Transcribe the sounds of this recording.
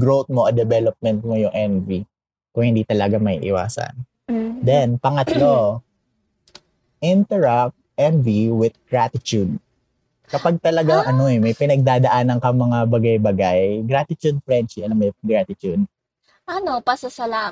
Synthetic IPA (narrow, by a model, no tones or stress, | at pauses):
ɡɹowt̪̚moʔɐd̪ɛbɛlop̚mɛnt̪̚mojʊŋʔɛnvi | kʊŋhɪnd̪it̪ɐlɐɡamɐʔḭːʔɪ̰wa̰ːsɐ̰n | d̪ɛnpɐŋɐt̪lo | ʔɪnt̪ɛɹap̚t̪̚ʔɛnviwɪd̪̚ɡ̥ɹat̪ɪt͡ʃud̪̚ | kɐpaɡ̚t̪ɐlɐɡaʔɐno̞ɛmɐjpɪnɐɡ̚d̪aːd̪ɐʔaːnɐŋkɐŋmɐŋabɐɡajbɐɡajɡɾat̪ɪt͡ʃ̪ud̪̚fɹɛnt͡ʃiʔɐlamːojɡɹat̪ɪt̪ud̪̚ | ʔɐnopɐsɐsɐla